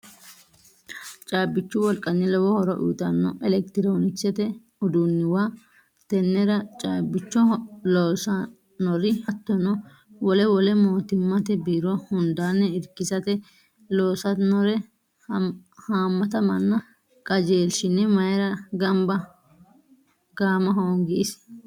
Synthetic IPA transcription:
t͡ʃʼaːbːɪt͡ʃːʊwɔlkʼɐnːɪlɔwɔhɔɾɔʔṵːt̪ʼɐnːɔʔɛlɛkt̪ɪɾoːnɪt͡ʃːɛt̪ɛ | ʊd̪unːɪwaː | t̪ɛnːɛɾɐt͡ʃʼaːbːɪt͡ʃːɔloːsɐ | nɔɾɪhɐt̪ːɔnɔ | wɔlɛwɔlɛmoːt̪ɪmːɐt̪ɛbiːɾɔhʊnd̪aːnːɛɪɾkɪsɐt̪ɛ | loːsɐnɔɾɛ | haːmːɐt̪ɐmɐnːɔ | kʼɐd͡ʒeːlʃɪnːɛmɐjɛɾɐɡɐmbɐ | ɡ̥aːmɐɦoːŋɡɪʔɪs

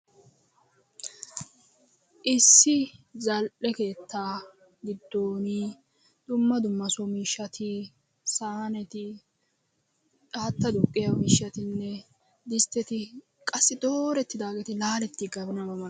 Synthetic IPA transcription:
ʔɪsːɪzɐlʔɛke̞ːt̪ʰːaː | ɡɪd̪ːoːni | d̪ʊmːɐd̪ʊmːɐsɔmiːʃːɐt̪ʰɪ | saːnɛt̪ɪ | aːt̪ːɐd̪ʊkʼːɪjɐmiːʃːɐt̪ɪnːɛ | d̪ɪst̪ːɛt̪ɪ | kʼɐsːɪd̪oːɾɛt̪ːɪd̪aːɡet̪ɪlaːlɛt̪ːɪɡɐbɪnɐbɐmɐ

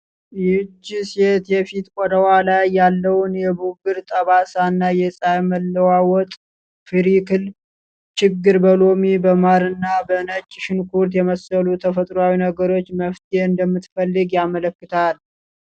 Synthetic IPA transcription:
jd͡ʒːiset̪jɛfit̪ʼkʷʼɔd̪əwalajːalːəwʊnjɛbuɡɨɾt̪ʼəβasanːajɛsʼajməlːəwawɔt̪ʼ | fɨɾikʰɨl | t͡ʃɪɡːɨɾbəlo̞mibəmaɾɨnːabənət͡ʃʼːɪʃɪnkʰuɾt̪jɛməsəlut̪ʰəfət̪ʼɾwawinəɡəɾo̞t͡ʃːməft̪ʰeɨnd̪əmːɨt̪fəlːɨɡjamələkːɨt̪ʰal

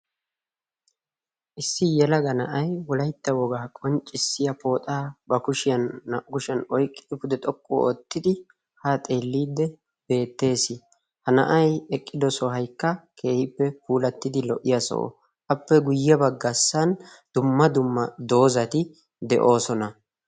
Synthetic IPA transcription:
ʔɪsːɪjɛlɐɡɐnɐʔɐjwɔlɐjt̪ːɐwɔɡaːkʼɔnt͡ʃʼːɪsːɪjɐpoːt̪ʼaːbɐkʊʃɪjɐnːɐʔkʊʃɪɐnɔjkʼːɪɪpʊd̪ɛt̪ʼɔkːo̰ɔt̪ːɪd̪ɪ | hat̪ʼe̞ːlːiːd̪ːɛ | b̥e̞ːt̪ːe̞ːsɪ | hɐnɐ̰ʔɐjɛkʼːɪd̪ɔsɔɦɐjkːɐkʰe̞ːhɪpːɛpuːlɐt̪ːɪd̪ɪlɔʔːɪjɐsɔ̰ʔɔ̰ | ʔɐpːɛɡʊjːɐbɐɡːɐsːɐn | d̪̥ʊmːɐd̪ʊmːɐd̪o̞ːzɐt̪ɪ | d̪ɛʔo̞ːsɔnɐ

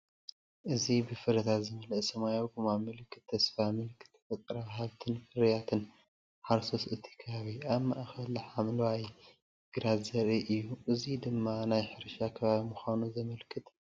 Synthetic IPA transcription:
ʔɨzibɨfɨɾɐt̪ʰatzɨmɐlɨʔsɐmajoɡumamɨlɨkʰːɨt̪ʰːɐsfamɨlɨkʰːɨ̥t̪ʰːɐ̥fɐt̪ʼɾaβɦaβt̪ʰɨnfɨɾjat̪ʰɨn | ħaɾsosʔɨt̪ʰi̥kʰɐaβiaβmaʔxɐlħamlwaj | ɡ̥ɾazɐɾiʔɨjːuʔɨzid̪ɨmːanajħɨɾʃakʰɐβaβimuxanuzɐmɐlkʰɨt̪

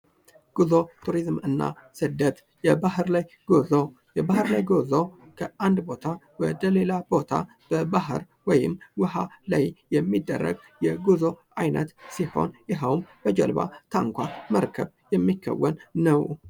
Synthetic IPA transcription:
ɡ̥uzo̞t̪ʰuɾizmɨnːa̰sɨd̪ət̪ | jɛbahɨɾlaj | ɡ̥ozo | jɛbahɨɾlajɡozo̞kʰəand̪bo̞t̪ʰa | wɔd̪əle̞labo̞t̪ʰa̰ | b̥əbaɦɨ̰ɾ | wɔjɪ̰mwʊhalajjɛmːid̪ːə̰rːə̰ɡ | jɛɡuzo̞ʔajnə̰t̪siho̞̰njɪɦəwmb̥əd͡ʒɛ̰lba̰t̪ʰaŋkʷaməɾkʰəb | jɛmːikʰːə̰wːənːəw

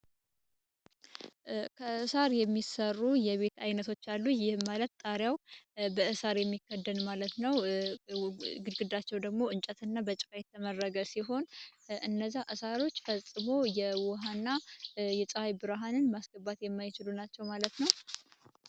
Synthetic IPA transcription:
kʰəɨsaɾjɛmːisərːujɛβe̞t̪ajnət̪ʰo̞t͡ʃːalːujɪhmalət̪t̪ʼːaɾjawbəʔɨsaɾjɛmːikʰːəd̪ːənmalət̪nəw | ɡɨd̪ɡɨd̪at͡ʃːɛwd̪əɡmo̞ɨnt͡ʃʼət̪ʰɨnːabət͡ʃʼfʼajɛt̪ʰːəmərːəɡəsiɦo̞nɨnːəzːaʔɨsaɾo̞t͡ʃːfəsʼɨmo̞jɛwɔɦanːajɛsʼəfajbɨɾɦanɨnmasɡ̥əbat̪jɛmːajɪt͡ʃɪlunat͡ʃːɛwmalət̪nəw

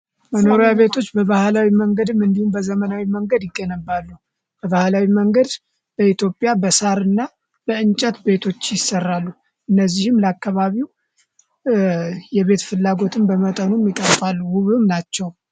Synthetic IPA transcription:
məno̞ɾejaβe̞t̪ʰo̞t͡ʃːbəβahlawiməŋɡəd̪mːɨnd̪ihumbəzəmənawiməŋɡəd̪jɪɡːənəbːalːu | b̥əβahlawiməŋɡəd̪ | b̥əit̪ʰjo̞pʼːjabəsaɾɨnːa | bəɨnt͡ʃʼət̪be̞t̪ʰo̞t͡ʃːjɪsːərːalːu | ʔɨnːəzːihɨmləakːaβaβiw | jɛβe̞t̪fɨlːaɡo̞t̪ʰɨmbəmət̪ʼənumjɪkʼəɾfʼalːuwuβumnat͡ʃːɛw

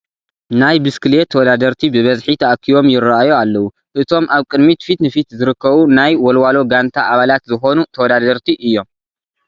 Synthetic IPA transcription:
najbɨskɨlet̪ʰːɐwɔd̪ad̪ɐɾt̪ʰibɨβɐzħit̪ʰɐʔkʰːiβo̞mjɪrːaʔajoalːɐwu | ʔɨt̪ʰo̞mʔaβkʼɨd̪mit̪fit̪nɨfit̪zɨɾɨkʰːɐβunajwɔlwalo̞ɡant̪ʰaʔaβalat̪zɨxo̞nut̪ʰɐwɔd̪ad̪ɐɾt̪ʰiʔɨjːo̞m

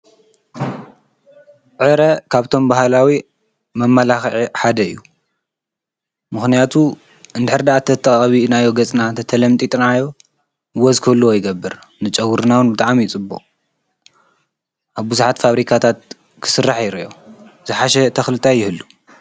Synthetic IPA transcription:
ʕɨɾɐkʰaβt̪ʰo̞mbaɦalawi | mɐmːɐlaxʕiħad̪ɐɨ̰jːu | mɨxnijat̪ʰu | ɨnd̪ɨħɨɾd̪aʔat̪ʰːɐt̪ʰːɐχʼɐβinajːo̞ɡɐt͡sʼnat̪ʰɐt̪ʰɐlɐmt̪ʼit̪ʼnajːo̞ | wɐzkʰɐlːuwojɪɡɐbːɨɾ | nɨt͡ʃʼɐwːuɾnawɨnbɨt̪ʼaʕmijt͡sʼɨbːṵχʼ | ʔaβbuzuħat̪faβɾikʰat̪ʰat̪̚ | kʰɨ̥sɨrːaħjɪɾiʔoz̥ɨħaʃɛt̪ʰɐxlɨt̪ʰajɪhɨlːu

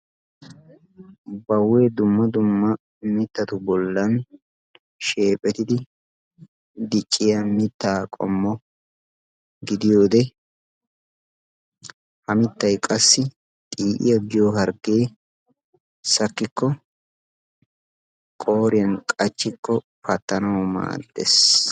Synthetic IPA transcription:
bɐwːe̞ːd̪ʊmːɐd̪ʊmːɐ | mɪt̪ːɐt̪ʊbɔlːɐn | ʃe̞ːpʼːɛt̪ɪd̪ɪ | d̪ɪt͡ʃʼːɪjɐmɪt̪ːaːkʼɔ̰mːɔ | ɡɪd̪ɪjo̞ːd̪ɛ | hɐmɪt̪ːɐjkʼɐsːɪ | t̪ʼiːʔɪ̰jɐɡɪjoːɦɐɾɡe̞ː | sɐkːɪkːɔ | kʼo̞ːɾɪjɐnkʼɐt͡ʃːɪkːɔ | pɐt̪ːɐnɐwɔma̰ːd̪̥ːḛs

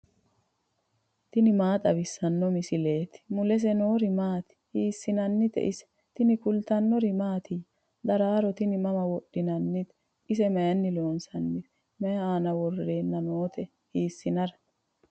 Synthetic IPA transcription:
t̪ɪnɪmaːt̪ʼɐbɪsːɐnːɔmɪsɪle̞ːt̪ɪ̥mʊlɛs̬ɛnoːɾɪmaːt̪ɪ̥hiːsːɪnɐnːɪt̪ɛ̰ʔɪsɛ̥ | t̪ɪnɪkʊlt̪ɐnːɔɾɪmaːt̪ʰi | d̪ɐɾaːɾɔt̪ɪnɪmɐmɐwɔɗːɪnɐnːɪt̪ɛ | ɪsɛmɐjɐnːɪlo̞ːnsɐnːɪ | mɛjɐaːnɐwɔre̞ːnːɐnoːt̪ʰɛ | hiːsːɪnɐɾɐ

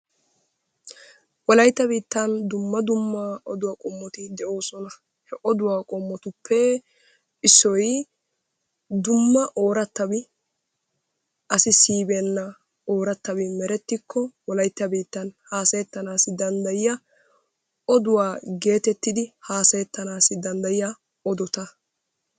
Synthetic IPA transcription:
wɔlɐjt̪ːɐbiːt̪ːɐnd̪ʊmːɐd̪ʊmːaʔɔd̪ʊwɐkʼɔmːɔt̪ɪd̪ɛʔo̞ːsɔnɐ | hɛʔɔd̪ʊwaːkʼɔmːɔt̪ʊpʰːɛ | ɪsːɔj | d̪ʊmːɐʔo̞ːɾɐt̪ːɐbɪ | ʔɐsɪsiːbenːɐ | o̞ːɾɐt̪ːɐbɪmɛɾɛt̪ːɪkːɔwɔlɐjt̪ːɐbiːt̪ːɐnhaːsɐjɛt̪ːɐnaːsɪd̪ɐnd̪ɐjɪjɐ | ɔd̪ʊwaːɡe̞ːt̪ɛt̪ːɪd̪ɪhaːsɐjɛt̪ːɐnaːsɪd̪ɐnd̪ɐjɪjɐ | ɔd̪ɔt̪ɐ

